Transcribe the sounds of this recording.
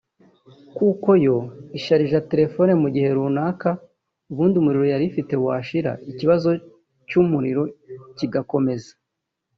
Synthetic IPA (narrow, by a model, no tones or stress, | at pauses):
kuːko̞jo̞iʃaɾiʒate̞ɾe̞fo̞nemuɟihe̞ɾuːnaːka | uβuːndiumuɾiɾo̞jaɾifite̞waːʃiɾa̰ʔiciβazo̞ | cumuɾiɾo̞ciɡako̞me̞zḁ